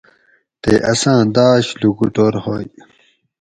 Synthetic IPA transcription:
t̪eʔɐsãːd̪aːɕluɡuʈoːɾhoːj

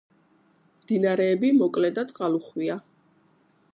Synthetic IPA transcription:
md̪̥inaɾɛːbimɔkʼlɛd̪at̪ʼqʼaluχwia

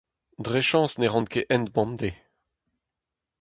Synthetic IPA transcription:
d̪ʁeʃɑ̃ːsneʁɑ̃nkeʔɛnd̪bɑ̃md̪e

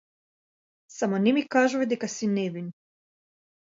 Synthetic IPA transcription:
samonimikaːʒuved̪ikasinevin

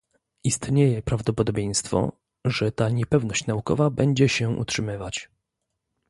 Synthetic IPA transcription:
ist̪ɲejɛpɾavd̪ɔpɔd̪ɔbʲjej̃st̪fɔ̰ | ʐɛt̪aɲɛpɛvnɔɕt͡ɕnaukɔ̰vabɛɲd͡ʑɛɕɛṵtʂɘmɘvat͡ɕ

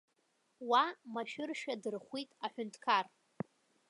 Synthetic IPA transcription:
wamaʃᶣʊrʃᶣadɨrχʷitʼaħʷᶣʊntʰkʰar

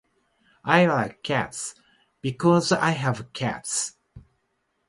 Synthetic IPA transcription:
ʔaɪlaɪkʰːæ̰ts | b̥ikʰɔza̰ɪɨvkʰæ̰ts

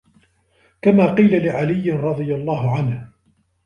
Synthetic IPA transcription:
kamaːqiːlalɪʕalɪjːɪnɾˤɑd̪ˤɨjalˤːɑːɦʊʕanh

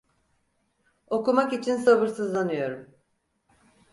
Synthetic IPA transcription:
o̞kumakit͡ʃʰinsabɯɾsɯzlˠanɯjo̞ɾum

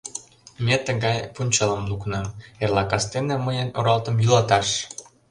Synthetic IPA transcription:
met̪ə̆ɣɑjpunʲt͡ɕɑləmluknɤmerlɑkɑst̪enĕməjənoɾɑlt̪əmjylɑt̪ɑʃ

